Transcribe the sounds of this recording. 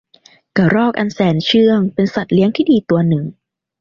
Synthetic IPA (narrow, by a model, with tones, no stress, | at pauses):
ka˨˩ɾɔː˥˩k̚ʔa˧nsɛː˩˦nt͡ɕʰɯ˥˩əŋpe˧nsa˨˩t̪̚li˦˥əŋt̪ʰiː˥˩diː˧t̪u˧ɐnɯ˨˩ŋ